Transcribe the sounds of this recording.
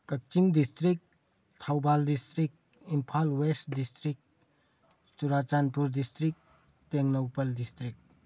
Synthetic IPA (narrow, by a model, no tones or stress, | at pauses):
kɐk̚t͡ʃiŋdistɾik̚ | tʰawbaldistɾik̚ | impʰalwestdistɾik̚ | t͡ʃuɾat͡ʃanpuɾdistɾik̚ | teŋnɐwpɐldistɾik̚